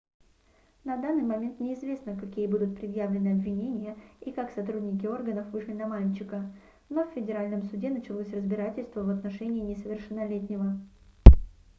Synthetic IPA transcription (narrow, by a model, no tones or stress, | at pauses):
nɐd̪anːɨjmɐmʲe̞nt̪nʲɪɪzvʲe̞snəkɐkʲijəbud̪ʊt̪̚pɾʲɪd̪javlʲɪnɨɐbvʲɪnʲenʲɪjəikaksɐt̪ɾudʲnʲɪk̬ʲɪo̞rɡənəfvɨʂlʲɪnɐmalʲt͡ɕɪkə | no̞fʲfʲɪdʲɪɾalʲnəmsʊdʲe̞nət͡ɕɪlˠosʲrəzbʲɪɾatʲɪlʲst̪vəvɐt̪nɐʂɛnʲɪːnʲɪsəvʲɪrʂɨnːɐlʲetʲnʲɪvə